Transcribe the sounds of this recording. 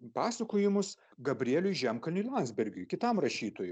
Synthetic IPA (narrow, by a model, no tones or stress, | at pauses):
pɑːsɐkoːjɪmʊs | ɡɐbʲɾʲɪeːlʲʊjʒʲæmkɐlʲnʲʊlˠɑˑnzʲbʲɛɾʲɡʲʊːjkʲɪt̪ɐmɾɐʃʲiːt̪oːjʊ